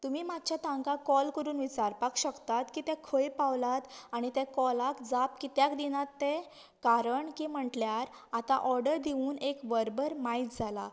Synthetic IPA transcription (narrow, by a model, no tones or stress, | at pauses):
t̪umiːmat̪̚t͡ɕʰjat̪ãŋkakɔlkəɾuːnʋit͡ɕaɾpakɕəkt̪at̪kiːt̪ɛ̃kʰəjpaʋlat̪aɽ̃it̪ɛ̃kɔlakd͡zapkit̪jakd̪inat̪ːɛ | kaɾəɳkiːm̤əʈljaɾ | at̪aʔɔɾɖəɾd̪iuːnekʋəɾbəɾmait̪d͡zʱala